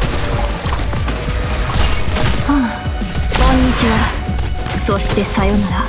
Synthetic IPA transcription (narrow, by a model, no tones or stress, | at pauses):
a | kõɲːit͡ɕiβa | soɕi̥t̪e̞sajonaɾa